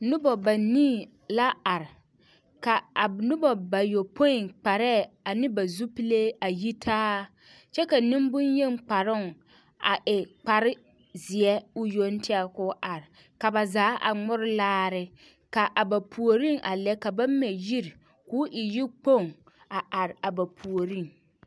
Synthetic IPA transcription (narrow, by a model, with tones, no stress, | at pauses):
nʊ˦bɔ˨ba˨niː˦˨ | la˦a˨ɾɪ˨ | ka˨a˨nʊ˦bɔ˨ba˨jo˨pʰo˦ɪ˨ŋk͡pa˨ɾɛ˦˨a˨nɪ˦ba˨zu˦pi˦le˦a˨ji˦tʰaː˦ | t͡ʃɛ˦ka˨nɪ̃˦m˦bʊ˦nje˦˨ŋ˦k͡pa˨ɾʊ˦˨ŋ | a̰˨ʔɪ˨k͡pa˨ɾɪ˦ | zɪ˨ɛ˦ʊ˦jo˦n˦tʰɪ˦a˦kʊː˦ʔa˨ɾɪ˨ | ka˨ba˨zaː˦ʔa̰˨ŋ͡mʊ˦ɾɪ˦laː˦ɾɪ˨ | ka˨ʔa˨ba˨pʰu˨o˨ɾi˦˨ŋʔa˨lɛ˦ka˨ba˦mɛ˨ji˦ɾ | kʊː˦ʔɪ˨ji˦k͡po˦˨ŋ | a˨a˨ɾɪ˨a˨ba˨pʰu˨o˨ɾi˦˨ŋ